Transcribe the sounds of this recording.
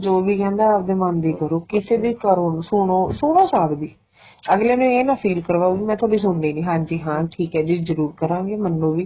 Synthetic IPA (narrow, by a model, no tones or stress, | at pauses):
d͡ʒoːʋiːkɛ̃ːnd̪aːaːp̚d̪eːmə̃nd̪iːkəɾoːkɪseːd̪iːkəɾoːnsʊɳoːsʊɽ̃oːsaːɾd̪iː | əɡleːnũːeːnãːpʰiːlkəɾʋaːuɡiːmɛ̃ːt̪ʰoːɖiːs̬ʊɳdiːnĩːɦãːnd͡ʒiːɦãːʈʰiːkɦɛːd͡ʒɪzəɾuːɾkəɾãːŋɡeːmənːõːʋiː